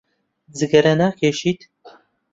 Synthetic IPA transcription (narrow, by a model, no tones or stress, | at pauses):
d͡zɨɡɐɾɐnaːkʰeːʃiːt̪